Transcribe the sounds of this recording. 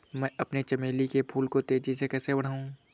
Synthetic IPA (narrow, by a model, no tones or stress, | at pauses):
mɛ̃ːʔɐpnet͡ʃɐmeːlikepʰuːlkot̪eːd͡ʒisekɛːsebɐɽ̤aːũː